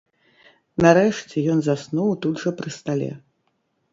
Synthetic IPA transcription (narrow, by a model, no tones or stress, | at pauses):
naɾɛʂt͡sʲɛjɔnzasnuwt̪ud̪ʐɐpɾɨst̪alʲɛ̰